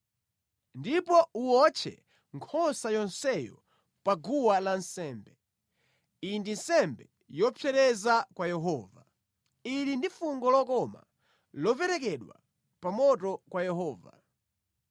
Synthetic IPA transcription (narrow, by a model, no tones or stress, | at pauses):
ndipɔuwɔt͡ʃʰɛ̰ | ŋkʰɔsajɔnsɛjɔ̰ | paɡuwalansɛːmbɛ | indinsɛmbɛ | jɔpʰɛɾɛzakwajɛɦɔva | ilindifuŋɡɔlɔkɔma̰ | lɔpɛɾɛk̬ɛɗwa̰ | pamɔtɔkwajɛɦɔːva̰